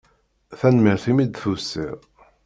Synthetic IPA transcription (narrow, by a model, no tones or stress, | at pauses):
θænmiɾθimid̪θusːḭʁ